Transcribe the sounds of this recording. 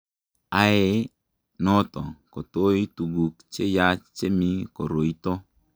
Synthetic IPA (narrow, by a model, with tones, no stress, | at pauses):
a˨˦e˦ | nɔ˦t̪ɔ̰˨ko˨t̪o˦i˦tu˨ɡu˨kt͡ʃe˦ja˦t͡ʃt͡ʃe˦mi˦ko˨ɾo˨i˦t̪o˦